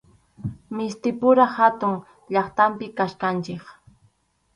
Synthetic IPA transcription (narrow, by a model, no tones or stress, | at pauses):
mɪst̪ɪpʊɾahat̪ʊŋ | ʎɑχt̪ampɪkaʃkant͡ʃɪk